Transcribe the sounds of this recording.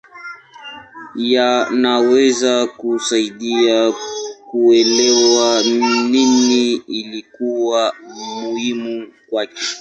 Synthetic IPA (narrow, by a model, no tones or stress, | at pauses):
janawɛzakusaiɗiakuɛlɛwaniniilikuwamuhimukwakɛ̥